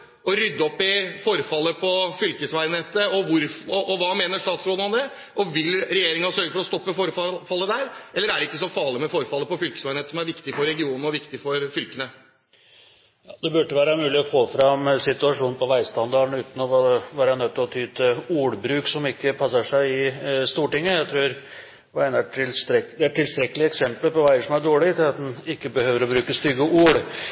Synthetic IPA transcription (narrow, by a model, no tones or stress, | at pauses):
ɔɾʏd̪ːəɔpːɪfɔɾfɑlːəpʰɔfʏlkəsʋæɪneːt̪əɔʋʊɾfɔʔɔʋɑːmeːnəʂt̪ɑːt̪sɾoːd̪nɔmd̪ɛ | ʔɔʋɪlɾɛjeːɾɪŋɑsœɾɡəfɔɾɔst̪ɔpːəfɔɾɑfɑlːəd̪æɾʔɛlːəɾæɖɛɪkːəsɔfɑːɭɪmɛfɔɾfɑlːəpɔfʏlkə̥sæɪneːt̪əsɔmæɾʋɪkt̪ɪfɔɾɛɡɪuːnn̩ɔʋɪkt̪ɪfɔɾfʏlkənə | jɑːd̪ɛbʉɖːəʋæːɾəmʉːlɪɔfoːfɾɑmsɪt̪ʉɑʂuːnnpʰɔʋæɪst̪ɑnd̪ɑːɾəɳ̩ʉːt̪n̩ɔɑʋæːɾənœt̪ːɪlɔt̪ʰyːt̪ʰəuːɽbɾʉːksɔmɪkːəpʰɑsəʂæɪɪst̪uːʈɪŋːəjæɪt̪ʰɾʉːɾ | ʋɑænæʈɪlst̪ɾɛd̪ɛæʈʰːɪlst̪ɾɛkːəlɪɛksɛmpləlpɔʋæɪəʂɔmæɖoːɭɪt̪ʰɪlɑt̪̚d̪ɛnɪkːəbəhøːʋəɾɔbɾʉːkəst̪ʏɡːəʔuːɽ